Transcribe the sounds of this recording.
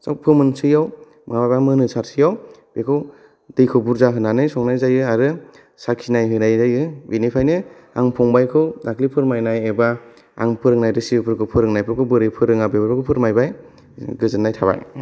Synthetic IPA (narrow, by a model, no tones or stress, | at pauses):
sawpʰɯmɯnsɯjaw | mŋababamɯnɯsaɾsʰɯjawb̥ekʰɯw | dɯjkʰɯbuɾzaɦɯnanɯjsɔŋnajzajɯaɾɯ | sakʰinajɦɯnajzajɯbinipʰajnɯ | aŋpʰɔŋbajkʰɯdakʰlipʰɯɾmajnajeba | a̰ŋpʰɯɾɯŋnajɾɯsiɯpʰɯɾkʰɯpʰɯɾɯŋnajpʰɯkʰɯbɯɾipʰɯɾɯŋabebapʰakʰɯpʰɯɾmajbaj | ɡɯzɯnːajtʰaba̰j